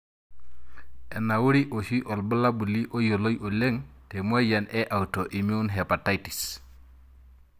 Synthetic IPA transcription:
e˨na˨wu˦ɾi˦ʔo˨ʃi˦ʔo˨lbə˦la˦bu˨li˦ʔo˦jo˨lo˦jo˨le˦ŋte˨mu˦e˦ja˨nʔe˦ʔa˨wto˨ʔi˨mi˦u˦nɦe˨pa˨ta˦jti̥˨s

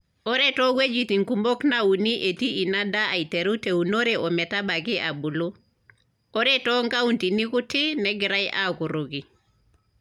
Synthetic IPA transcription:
ɔ˦ɾɛ˦tɔ˦ɡwe˦d͡ʒi˨ti˨ŋku˨mbo˦kna˦u˨ni˦ʔe˨ti˦i˨na˦da˦a˨i˨te˨ɾu˦te˨u˨no˦ɾe˨ɔ˨mɛ˨ta˦ba˨ɡɪ˦ʔa˨bu˨lo˦ | ɔ˦ɾɛ˦tɔ˦ŋɡa˦u˦nti˨ni˦ku˦tɪ˦nɛ˨˦ɡɪ˨ɾa˦jʔa̰˦ku˨ɾo˨ɡi˨

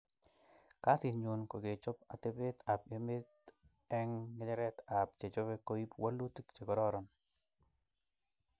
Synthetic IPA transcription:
ka˦si˨nɲo˨nko˨ɡe˨t͡ʃɔ˦pa̰˨t̪e˦pe˦t̪a˨pje˦me˦t̪ | ɛ˦ŋːɛ˨˦d͡ʒɛ˦ɾɛ˦t̪a˨p̚t͡ʃe˨t͡ʃo˦be˦ko˦i˦pwa˦lu˦ti˦kt͡ʃe˨kɔ˨ɾɔ˦ɾɔ˨n

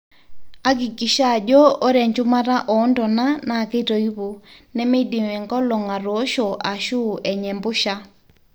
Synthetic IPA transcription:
a˦ki˨ki˨ʃa˦˨d͡ʒɔ˦o˦ɾɛ˨ɲd͡ʒu˦ma˦ɾa˦ʔɔ˨˦ndɔ˨na˦na˨ke˦to˨i˦βo˨nɛ˦me˦di˨mɛ˨ŋɡɔ˦lɔ˨ŋa˨ɾoː˨˦ʃo˨ʔa˨ʃu˦˨ʔɛ˨ɲɛ˨mbo˦ʃa˦

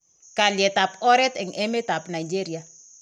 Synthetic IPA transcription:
ka˨ljɛ˨ta˨pɔ˦ɾɛ˦t̪ɛ˨ŋɛ˦me˦ta˨pna˨jd͡ʒe˦ɾi˨a˨

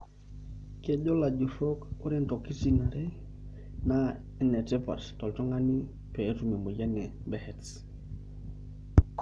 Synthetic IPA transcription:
ke˨ɟo˦la˨ɟu˨so˦ko˦ɾe˦ntɔ˨ki˦si˦na˨ɾe˦ | na˦ | ɛ˨nɛ˨te˦pa̰˨ttɔ˨ltɔ˦ŋa˦ni˦ | pe˨e˦tu˨me˨mo˨ɟa˦ne˨ | bɛ˦hɛ˨ts

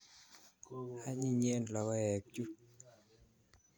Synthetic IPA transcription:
ha˧˦ɲi˧˨ɲi˧˨ə˨nla˨wa˧ɛ˨˩k̚t͡ɕu˦

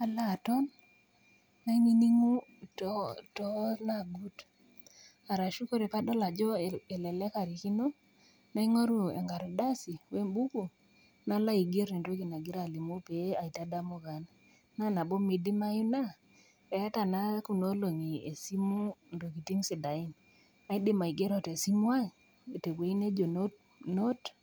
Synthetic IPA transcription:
a˨la˦˨tɔ˦n | a˦i˦ŋi˦ni˦ŋu˦ | ttɔ˦na˦˨ɡu˦t | a˨ɾa˨ʃu˦ko˦ɾe˨pa˦dɔ˦la˨d͡ʒɔ˦e˨lɛ˨lɛ˦ka˨ɾi˨ki˦no˦ | na˨˦i˦ŋo˦ɾu˦˨ḛ˨ŋɡa˨ɾɔ˨da˦si˨we˦mbu˦ku˨ | na˦la˦i˨ɡe˦ɾi˨nɾo˦ki˨na˨ɡɪ˦ɾa˨li˨mu˦pe˨˦a˨i˨ta˦da˦mo˨ɡa˨n | na˦na˨bo˦mi˨di˦ma˦ju˦na˦ | pɛ˨ja˦ta˨na˦ku˨no˦lo˨ŋi˨e˨si˦mu˦ndo˨ki˨ti˦msi˨da˨i˦n | a˨˦i˦dɪ˦ma˨i˨ɡe˦ɾɔ˦te˨si˦m˦a˦ | e˨te˨kwe˨i˦ne˦d͡ʒo˨n˦ | no˦t

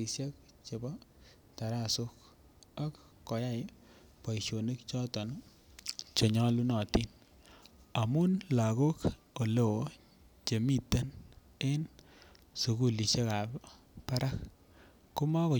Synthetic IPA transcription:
i˨sje˦k | t͡ʃe˨bɔ˦ | ta˨ɾa˦˨su˦k | a˦k | kɔ˨ja˦j | pa˨iʃo˨ne˦kt͡ʃɔ˦tɔ˨n˦ | t͡ʃo˨ɲɔ˦lu˦nɔ˨ti˦n | a˨mu˦nla˨ko˦k | o˨le˦˨wo˨˦ | t͡ʃe˨mi˦tːe˦n | e˦n | su˨ku˦li˨ʃe˦ka˨p | pa˦ɾa˦k | ku˦ma˦ko˨

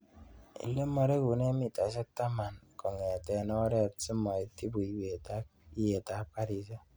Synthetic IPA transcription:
ḛ˨lːe˦mo˨ɾe˦ku˨ne˦mi˦˨ta˨˦s̬e˦ta˦ma˨n˨ko˨ŋe˨a˨te˨nɔ˦ɾe˦˨˦si˦mɔ˨e˨ti˦bu˨i˨we˨ti˦je˨ta˨˦ka˦ɾi˨za˦

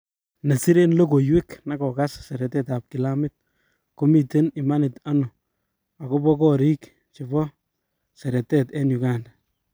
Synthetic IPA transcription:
na˨si˦ɾe˦nlo˦ko˨jwe˦kna˨kɔ˨ka˦ssɛ˨ɾɛ˨tɛ˦ta˨p̚kɪ˨la˦mɪ˦t̚ | ko˦mi˦te˦nɪ˨ma˦nɪ˨ta˦nʊ˨ | a˨ko˦bɔ˦kɔ˦ɾi˦k | t͡ʃi˨βɔ˦ | sɛ˨ɾɛ˨tɛtɛ˦nju˨ka˦n

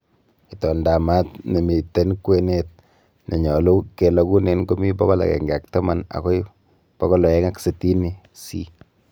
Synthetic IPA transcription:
i˨tɔ˨nda˨ma˦tne˨mi˨te˦nkwe˦ne˦t̚ | nɛ˨ɲɔ˨lu˦ke˨lɔ˨ku˦ne˨nko˦mi˦bɔ˦kɔ˦la̰˨kɛ̰˨ŋɡa˨k̚ta˦ma˦na̰˨kɔ˦j | pɔ˦kɔ˦lɔ˨ɛ˦ŋa˦kse˨ti˦ni˦ | si˦

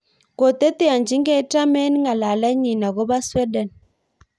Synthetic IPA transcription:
ko˨te˦te˦a˨nd͡ʒi˨˦ŋɡɛ˦ta˦mɛ˦ni˦ŋa˨la˨la˦ɲi˨na˨ɣɔ˦ba˦swɛ˦dɛ˨n

